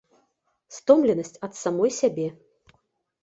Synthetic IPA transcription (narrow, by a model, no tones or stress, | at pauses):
st̪ɔmlʲɛnɐsʲt͡sʲɐt̪samɔjsʲabʲɛ